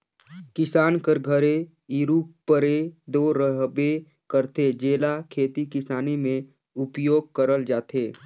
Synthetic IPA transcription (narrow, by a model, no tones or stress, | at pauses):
kɪsaːnkəɾɡʱəɾe | iɾuːpəɾed̪oːɾəɦbe | kəɾt̪ed͡ʒeːlakʰeːt̪ikɪsaːnimẽ | ʊpjoːɡ̚kəɾəld͡ʒaːt̪ʰeː